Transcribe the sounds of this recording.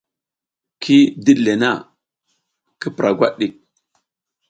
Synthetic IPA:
kʰi˦di˦ɗle˨na˦˨ | ki˦pɾʔa˨ɡʷa˦ɗɗi˨k̚

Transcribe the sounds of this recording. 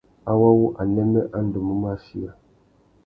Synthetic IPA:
a˦wa˦wu˦ʔa˨nɛ˦mɛ˦ʔa˦n̩˦du˨mə˦m˦a˦ʃi˦a˨

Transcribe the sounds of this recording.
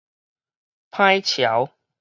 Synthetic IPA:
pʰa˥˦jt͡ɕʰja˨˦w

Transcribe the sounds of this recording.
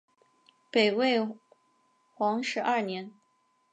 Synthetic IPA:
pe˨˩ɪwe˥˩ɪ | xwɑ˧˥ŋʂɻ̩˧˥ʔɐ˥˩njɛ˧˥n

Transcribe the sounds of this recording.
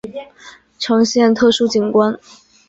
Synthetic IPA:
ʈ͡ʂʰɤ˧˥ŋɕjɛ˥˧nt̪ʰɤ˥˩ʂu˥t͡ɕi˨˩nkwa˥n

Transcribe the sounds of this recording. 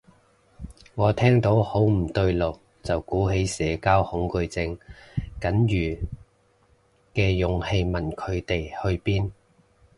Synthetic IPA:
ŋɔː˨˧t̪ʰɛː˥ŋt̪o˨˥who˨˥wm̩˨˩t̪ɵ˧ɥlo˨w | t͡sɐ˨wkuː˨˥ɦe˨˥jsɛː˨˧kaː˥whʊ˨˥ŋkɵ˧ɥt͡sɪ˧ŋkɐ˨˥njyː˨˩ | kɛː˧jʊ˨ŋhe˧jmɐ˨˩nkʰɵ˨˧ɥt̪e˨jhɵ˧ɥpiː˥n

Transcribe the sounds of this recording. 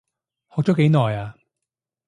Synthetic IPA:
hɔː˨k̚t͡sɔː˨˥ke˨˧˥jnɔː˨jaː˧

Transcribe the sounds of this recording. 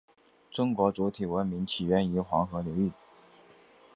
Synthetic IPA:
ʈ͡ʂʊ˥ŋkwɔ˧˥t͡su˧˥t̪ʰi˨˩wə˧˥nmi˧˥ŋt͡ɕʰi˨˩ɥɛ˧˥ni˧˥xwɑ˧˥ŋxɤ˧˥li˧˥ʊy˥˩

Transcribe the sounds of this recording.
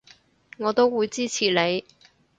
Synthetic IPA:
ŋɔː˨˧t̪o˥wːuː˨˧jt͡siː˥t͡sʰiː˨le˨˧j

